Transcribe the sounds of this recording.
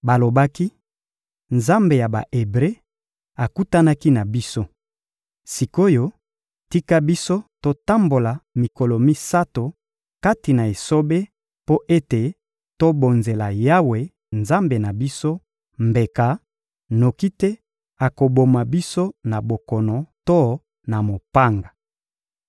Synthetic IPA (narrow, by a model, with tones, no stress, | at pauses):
ba˨lo˨ba˦ki˦ | nza˦mbe˨ja˨ba̰˨ʔe˨bʁe˦ | a˨ku˦ta˦na˦ki˦na˨bi˦so˦ | si˨ko˦jo˦ | ti˦ka˦bi˦so˦to˦ta˦mbo˨la˨mi˨ko˨lo˨mi˦sa˦to˨ | ka˦ti˨na˨e˨so˦be˦ | po˦ʔe˦te˨ | to˦bo˨nze˨la˨ja˦we˨ | nza˦mbe˨na˨bi˦so˦ | mbe˨ka˨ | no˨ki˦tɛ˦ | a˨ko˨bo˨ma˨bi˦so˦na˨bo˨kɔ˨nɔ˨to˦ | na˨mo˨pa˦ŋɡa˨